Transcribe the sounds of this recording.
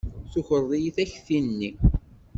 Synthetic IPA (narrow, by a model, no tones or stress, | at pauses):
θuçəɾˤðˤijiθæçθinːi